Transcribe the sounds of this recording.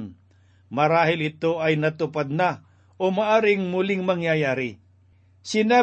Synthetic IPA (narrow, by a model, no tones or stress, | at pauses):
n | mɐɾaːɦɪlɪt̪oʔɐjnɐt̪ʊpad̪̚na | ʔomaʔaːɾɪŋmʊlɪŋmɐŋjajaːɾɪ | sɪnaː